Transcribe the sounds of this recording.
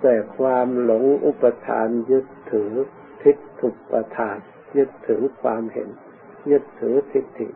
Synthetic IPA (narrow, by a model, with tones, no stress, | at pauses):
sɛː˨˩kʰwaː˧mlo˨˩˦ŋʔu˧˦˥pːa˧t̪ʰa̰ː˧njɯ˦˥t̪ʰːɯː˩˦ | t̪ʰi˦˥t̪ʰːu˨˩k̚pa˧t̪ʰaː˨˧n | jɯ˦˥t̪ʰːɯ˩˦kʰwaː˧mhḛ˨˦n | jɯ˦˥t̪ʰːɯː˩˦t̪ʰi˧˦˥t̪ʰːḭ˨˩